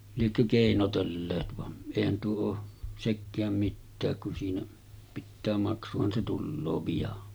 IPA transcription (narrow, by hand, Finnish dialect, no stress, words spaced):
liekːø keˑinotelːeːt ʋɑn eˑihæn tuo oː sekːæːm mitːæːk kun siːnæ pitːæː mɑksuhɑn se tulːoː pijɑn